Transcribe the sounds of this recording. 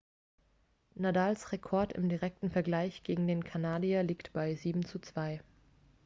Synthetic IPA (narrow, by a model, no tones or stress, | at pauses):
nadaːlsʁekʰɔɐtɪ̰mdiʁɛk̚tn̩fɛɐɡlaɪçɡ̥eːɡŋ̩deːnkʰanaːdialiːktb̥aɪziːbm̩t͡sut͡sv̥aɪ